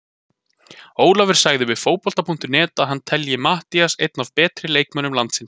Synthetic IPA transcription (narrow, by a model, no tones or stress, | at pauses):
oːwlavɪɾ̥saːɣðɪvɪfoːwpɔl̥t̪apʰuŋ̥t̪ʏnɛːt̪aðɦanːt̪ʰɛljɪmaht̪iasejt̪nav̥pɛːt̪ɾɪleːjkmœnʏmlant̪sɪn